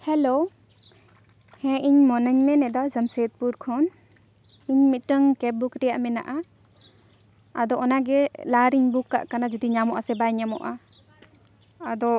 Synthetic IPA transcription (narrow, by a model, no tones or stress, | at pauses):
hɛlo | hɛ̃ʔiɲmɔnəɲmɛnɛd̪azəmset̪̚puɾkʰɔn | iɲmit̪̚ʈəŋkɛbukɾɛjaʔmɛna̰ʔa | ad̪ɔɔnaɡɛlaɾiɲbukːa̰ʔkanad͡ʒɔd̪iɲamɔʔasɛbajɲamɔ̰ʔa | d̪ɔ